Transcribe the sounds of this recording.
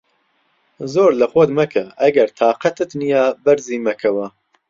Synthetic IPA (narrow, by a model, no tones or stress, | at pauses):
zoːɾlɐxod̪mɐkʰɐɐɡɐɾt̪ʰɑːqɐt̪ɨt̪nijaːbɐɾziːmɐkʰɐwɐ